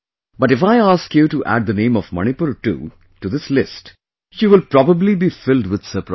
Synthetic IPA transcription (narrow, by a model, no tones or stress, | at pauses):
b̥ʌʈɪfaɪaːskjuʈuʔæ̰ɖ̚d̪ənẽːmɔfmʌ̰ñipuɾʈṵ | ʈud̪ɪslɪsʈ | ʃiːʋɪlpɾɔbəblibifɪlɖwɪd̪̥səpɾa̰